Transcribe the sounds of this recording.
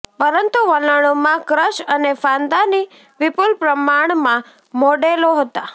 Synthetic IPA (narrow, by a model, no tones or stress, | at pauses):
pəɾənt̪uʋələɽ̃omãkɾəʃənefãnd̪ani | ʋɪpulpɾəmaɳ̃mã | moɖeloɦət̪a